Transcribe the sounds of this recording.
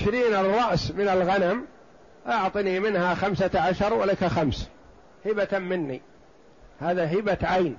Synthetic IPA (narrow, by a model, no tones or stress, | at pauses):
ɪʃɾiːnɑrˤːɑʔsmɪnalɣanam | ʔaʕt̪ˤɨnimɪnhaxamsaʕaʃɑɾˤwalakaxams | hɪbat̪mɪnːḭ | haːðaɦɪbaʕajn